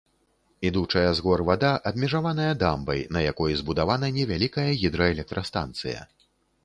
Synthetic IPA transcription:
id̪ut͡ʂɐjɐzɣɔrvad̪aʔɐbmʲɛʐavan̪ɐjɐd̪ambɐ̰jnɐjakɔjizbud̪avanɐnʲɛvʲalʲikɐjɐɣʲid̪ɾɐɛlʲɛk̚t̪ɾʔɐst̪a̰nt̪sɨ̰jɐ̰

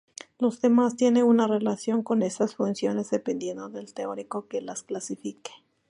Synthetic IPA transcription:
lo̞zðe̞mast̪je̞neunare̞lasjo̞ŋko̞ne̞sasfunsjo̞ne̞zðe̞pe̞nd̪je̞nd̪o̞ðe̞lt̪eo̞ɾiko̞kelasklasifike̥

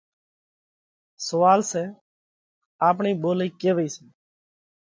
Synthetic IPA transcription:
səʋaːlsɛː | aːpɳiːɓoːliːkeːʋiːsɛː

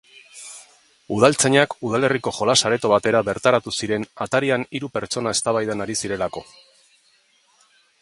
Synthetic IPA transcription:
uð̞alt͡se̞ɲakuðale̞riko̞ʝo̞lasaɾe̞t̪o̞β̞at̪e̞ɾaβe̞ɾt̪aɾat̪usiɾe̞nat̪aɾianiɾupe̞ɾt͡so̞nae̞st̪aβajðanaɾisiɾe̞lako̞

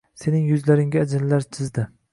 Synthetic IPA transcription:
se̞nɪŋjʊzlaɾɪŋɡʲad͡ʒɪnlaɾt͡ʃʰɪzd̪ɪ

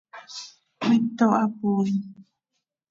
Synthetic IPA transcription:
it̪oʔapuɾi

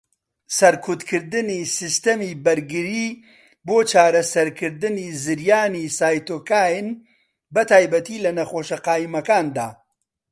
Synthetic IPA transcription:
sɐɾkʰut̪kʰɨɾd̪ɨnisist̪ɐmiːbɐɾɡɨɾiː | boːt͡ʃaːɾɐsɐɾkʰɨɾd̪ɨnizɨɾjaːnisaːjt̪oːkaːjn | bɐt̪ʰaːjbɐt̪iːlɐnɐxoːʃɐqaːjimɐkaːnd̪a̰ː

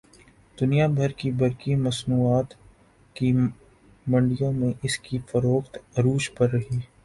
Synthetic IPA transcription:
d̪̥ʊnijabʱɐɾkibɐɾkimɐsnuːaːt̪ | ki | mɐ̃ɳɖijõmẽʔɪskifɐɾoːxt̪ɾuːʃpɐɾːɐɦiː

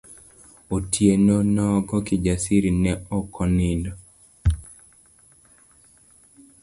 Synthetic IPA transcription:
otʰjenonɔɡɔkid͡ʒasiɾinɛɔkʰɔnindo

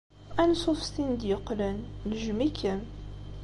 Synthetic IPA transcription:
ænsˤʊfst̪ind̪jəqːlənləʒmikːən

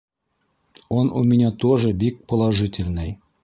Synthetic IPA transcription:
onṵmʲinʲæt̪oʐɤ̆bik̚pŏlˠɑʒɘtʲɪlʲnɘj

